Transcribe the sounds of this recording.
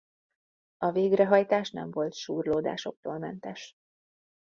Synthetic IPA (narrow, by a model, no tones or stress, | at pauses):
ɒveːɡrɛɦɒjt̪aːʃnɛ̰ɱvo̞lt̪ʃuːrloːd̪a̰ːʃo̞k̚t̪oːlmɛnt̪ɛʃ